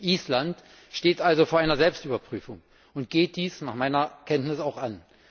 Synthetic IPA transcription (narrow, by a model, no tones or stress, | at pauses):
ʔiːslant | ʃteːtʔalzofoːɐaɪnɐzɛlpstʔyːbɐpʁ̥yːfʊŋ | ʊnt̚ɡ̥eːt̚d̥iːsnaːχmaɪnɐkʰɛntnɪsaʊxan